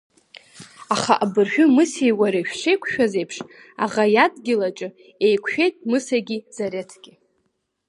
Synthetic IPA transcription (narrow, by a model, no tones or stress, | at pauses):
aχa̰ʔabɨrħᶣʊmɨsejwaɾaʃᶣʂejkʷʰʃᶣaze̞jpʰʂ | a̰ʁajadɡʲɪlat͡ʃʼɨ | ejkʷʰʃᶣe̞jtʼmɨsaɡʲiz̥aɾetʰɡʲɪ